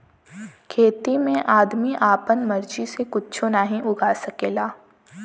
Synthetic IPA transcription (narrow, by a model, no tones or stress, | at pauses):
kʰeːt̪imẽʔaːd̪miʔaːpənmɐɾd͡ʒisekʊt͡ʃʰonaːɦĩʔʊɡaːsɐkeːlaː